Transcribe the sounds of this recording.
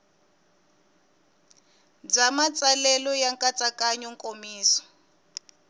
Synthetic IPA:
d͡zamat͡salɛlɔjaŋkʼat͡sʼakʼaɲɔŋkʼomiːsɔ̥

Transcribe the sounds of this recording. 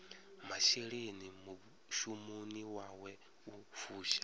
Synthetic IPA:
maʃeɺenimu | ʃumuniwaːwɛ | ufuːʃḁ

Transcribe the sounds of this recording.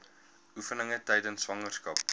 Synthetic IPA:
ufənəŋətɛjdənsːvɐŋərskɐp̚

